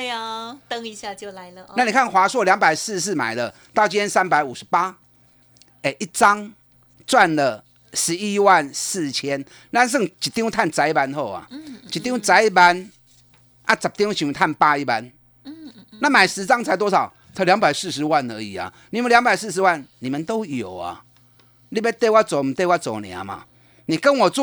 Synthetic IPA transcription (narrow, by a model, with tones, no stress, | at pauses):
t̪ə˦ŋi˧˥ɕja˥˧t͡ɕjo˥˨ʊla˧˦ɪlə˧a˥˩ni˨˩kʰa˥˨nxwa˧˥swɔ˥˩ljɑ˧˥ŋpa˨˩ɪs̩˥˧s̬̩˥˩ma̰˨˩ɪdə˦ | t̪ɑ˥˩ʊt͡ɕi˦˥nt̪ʰjɛ˥nsa˦npa˧˦ɪu˨˩ʂɻ̩˧˦pa˦ | e˨˧ɪʔi˥˩t͡sɑ˦ŋ | t͡swa˥˨nlə˨ | ʂɻ̩˧˦i˦wa˥˨nsɹ̩˥˨t͡ɕʰjɛ˦n | na˥˧ns̬ɤ˥˨ŋt͡ɕi˨˩t̪i˥˧ŋwt̪ʰa˥˨nt͡sa˧˥ɪi˧˩pa˧˥nxo˥˨˩ʊa̰˩t͡ɕi˨˩t̪i˥˧ŋwt͡sa˧˥ɪi˥˩pa˧˦n | ʔa˦˧t͡sa˨˩p̚t̪ĩ˦ŋɕi˧ŋ˧t̪ʰa˥˨npa˦i˦ba˦n | na˥˧˨mã˨˩ɪʂɻ̩˧˦t͡sa˦ŋt͡sʰa˧˥ɪt̪wɔ˥˩sɑ˨˩ʊ | t͡sʰa˧˦lja˧˦ŋba˨˩ɪsɹ̩˥˧˨ʂ̬̩˨˧˦wa˥˧˨nə˧˦ḭ˨˩a̰˨˩ | nĩ˨mə˨˦nlja˧˦ŋba˨ɪs̩˥˧˨ʂ̬̩˧˦wa˥˨nːĩ˨˩mə˨nt̪o˦ʊjo˨˩ʊa̰˨ | li˥˧be˦t̪e˥˧ɪwa˥˦˩t͡so˨˩˨mi˨t̪e˥˧wa˦˧t͡so˨˩nḭ̃˨a̰˨ma̰˨ | nĩ˨kə˦nwɔ˨˩t͡s